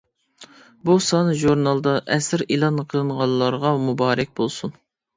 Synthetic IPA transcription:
busɑnɨʒuɾnɑlˠd̪ɑʔɛsɪɾilˠɑnqʰəlˠɨnʁɑlˠːɑɾʁɑmubɑːɾɛk̚ʲbolˠsun

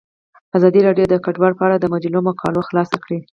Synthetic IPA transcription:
azɑd̪iɾɑɖjod̪əkaɖwɑɽpəaɽad̪əmad͡ʒlomokʰɑ̰loxlɑsakɽi

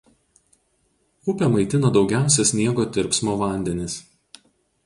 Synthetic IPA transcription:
ʊpʲɛmɐɪt̪ʲɪnɐd̪ɒʊɡʲæˑʊsʲɛsʲnʲiɛɡoːt̪ʲɪɾʲpsmoːʋɐˑnʲd̪ʲɛnʲɪs

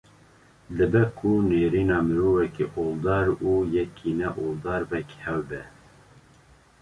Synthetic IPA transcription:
lɨbɛkʰuneːɾiːnɑːmɨɾoːvɛkiʔoːld̪ɑːɾuːjɛkʰinɛʔoːld̪ɑːɾbɛkhɛwbɛ

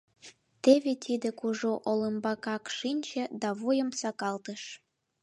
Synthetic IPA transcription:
t̪eβet̪ʰid̪ĕkuʒoʔoləmbɑkɑkʃinʲt͡ɕĕd̪ɑβojəmsɑkɑlt̪əʃ

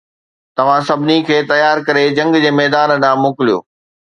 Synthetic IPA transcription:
t̪ɐʋ̤ãsɐbʱɪnikʰeːt̪ɐjaːɾkɐɾed͡ʑɐ̃ŋɡd͡ʑeːmɛːd̪aːnnãːmʊːkɪlijo̰ː

